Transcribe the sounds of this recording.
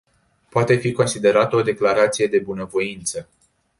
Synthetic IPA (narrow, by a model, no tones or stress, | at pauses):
poat̪e̞fiko̞nsid̪e̞ɾat̪əo̞d̪e̞klaɾat̪sije̞d̪e̞bunəvo̞int̪sə